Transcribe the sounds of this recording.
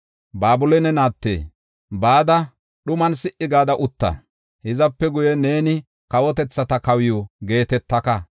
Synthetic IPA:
baːbʊlɛnɛnaːt̪ːḛː | baːd̪ɐ | ɗʊmɐnsɪʔɪɡaːd̪ɐʔʊt̪ːɐ̰ | hɪzɐpːɛɡʊjɛne̞ːnɪ | kɐwɔt̪ɛt͡sːɐt̪ɐkɐwɪjuɡe̞ːt̪ɛt̪ːɐkɐ

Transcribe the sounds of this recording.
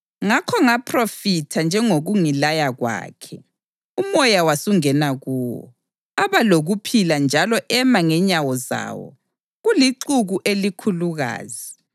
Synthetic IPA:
ŋakʰɔŋapʰrofitʰand͡ʒʱɛŋoɣuŋilajaɣwa̰ːkʰɛ | umɔjawasuŋɛnaɣuwɔ̰ | aβaloɣupʰiland͡ʒʱalɔʔɛmaŋɛɲawɔza̰ːwɔ̰ | ɣuliǀuɣuʔelikʰuluɣa̰ːzi

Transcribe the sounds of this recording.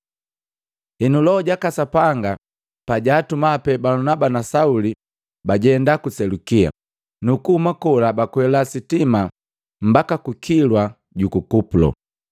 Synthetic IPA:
hinulɔɔɟakasapaŋɡa | paɟaːtumapɛbalunabanasauli | baɟɛndakusɛlukia̰ | nukuhumakɔlabakwɛlasitima | m̩bakakukʰilwa | ɟukukupulɔ̰

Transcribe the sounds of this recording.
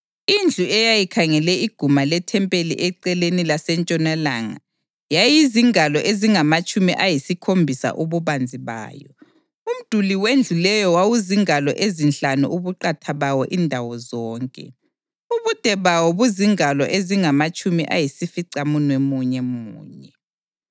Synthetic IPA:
ind͡ɮʱuɛjajikʰaŋɛlɛiɡ̥ʱumalɛtʰɛmpʼelḭʔɛǀɛlenilasɛnt͡ʃʼɔnalaŋa̰ | jajiziŋalɔʔeziŋamat͡ʃʼumiʔajisikʰombʱisa̰ʔuβuβand͡zʱiβa̰ːjɔ | um̩d̥ʱuliwend͡ɮʱulɛjɔwawuziŋalɔ̰ʔezinɬanṵʔuβuǃatʰaβawɔʔindʱawɔzɔːŋkʼɛ̰ | uβud̥ʱɛβawɔβuziŋalɔʔeziŋamat͡ʃʼumiʔa̰jisifiǀamunwɛmuɲɛmṵːɲɛ

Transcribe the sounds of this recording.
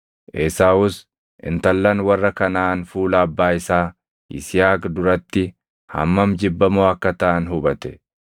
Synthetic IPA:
ʔeːsaːʊs | ʔɪ̰nt̪ɐlːɐnwɐrːɐkɐnaːnfuːlɐːbːaːɪsaː | ʔɪ̰sɪjaːkd̪ʊɾɐt̪ːɪ | hɐ̰mːɐmd͡ʒɪbːɐmoːɐkːɐt̪ɐʔɐnhʊbɐt̪ɛ̥

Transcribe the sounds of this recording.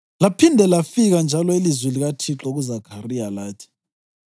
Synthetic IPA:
lapʰindʱɛlafiɣ̬and͡ʒʱalɔilizwiliɣ̬atʰiǁɔɣ̬uzakʰarijalaːtʰi̥

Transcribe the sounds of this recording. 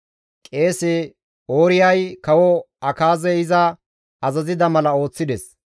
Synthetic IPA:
kʼe̞ːse | oːɾɪjɐjkɐwɔ | ɐkaːzɛɪzɐ | ɐzɐzɪd̪ɐmɐlɐo̞ːt͡sːɪd̪ɛs

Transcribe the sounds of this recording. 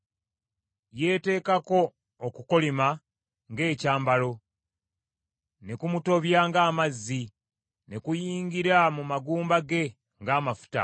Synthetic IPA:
je̞ːte̞ːkako̞ː | kuko̞lima | ŋɡe̞ːcaːmbalo̞ | ne̞kumuto̞βjaːŋɡaːmazːi | ne̞kujiːŋɡiɾamumaɡuːmbaɡe̞ | ŋɡaːmafu̥ta̰

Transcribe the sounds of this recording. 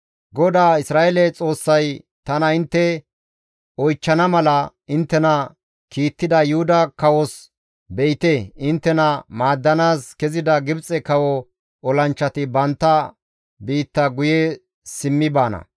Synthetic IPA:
ɡɔd̪aːɪsɾaːelɛt͡sʼo̞ːsːɐj | t̪ɐnɐɪnt̪ːɛ | ɔjt͡ʃːɐnɐmɐlɐ | ɪnt̪ːɛnɐ | kiːt̪ːɪd̪ɐjʊhʊd̪ɐkɐwɔs | bɛʔɪt̪eɪnt̪ːɛnɐmaːd̪ːɐnaːskɛzɪd̪ɐɡɪbt͡sʼɛkɐwɔ | ɔlɐnt͡ʃːɐt̪ɪbɐnt̪ːɐ | biːt̪ːɐɡʊjɛ | sɪmːɪbaːnɐ̰

